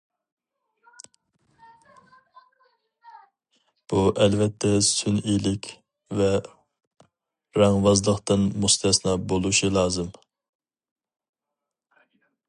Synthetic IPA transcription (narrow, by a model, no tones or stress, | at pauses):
b̥uʔɛlvɛt̪ʰːɛsynilɪkʲ | vɛ | ɾɛŋvɑzlˠəqt̪ɨnmust̪ʰɛsnɑbolˠuʃilˠɑːzɨm